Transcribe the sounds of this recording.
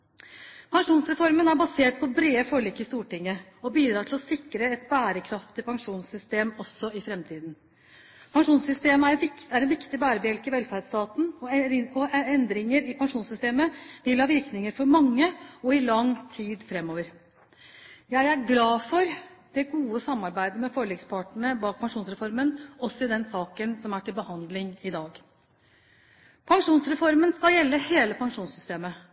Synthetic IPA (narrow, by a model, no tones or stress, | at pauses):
pʰɑŋʂuːnsɾɛfɔɾmənæɾbɑseːʈ̚pʰɔbɾeːəfɔɭiːkːəɪst̪uːʈɪŋːəɔbiːd̪ɾɑːʈ̪ɪlɔsɪkɾəɛt̪bæːɾəkʰɾɑft̪əpʰɑŋʂuːnsʏst̪eːmɔsːɔɪfɾɛmt̪ʰiːd̪n | pʰɑŋʂuːnsʏst̪eːmææɾɛnʋɪkt̪ɪbæːɾəbəɛlkɪʋɛlfæːɾɖst̪ɑːt̪nɔɔɛnd̪ɾɪŋəɾɪpʰɑŋʂuːnsʏst̪eːməʋɪlhɑːʋɪɾknɪŋəɾfɔɾmɑŋːəɔɪlɑŋt̪ʰiːd̪fɾɛmːoːʋəɾ | jæɪæɾɡlɑːfɔɾd̪̥ɛɡuːəsɑmːɑɾbæɪd̪əmɛfɔɭiːɡspʰɑʈəɳəbɑːk̚pʰɑŋʂuːnsɾɛfɔɾmənɔsːɔɪd̪ɛnsɑːkənsɔmæʈʰɪlbəhɑnd̪lɪŋɪd̪ɑːɡ | pʰɑŋʂuːnsɾɛfɔɾmənskɑljɛlːəheːləpʰɑŋʂuːnsʏst̪eːmə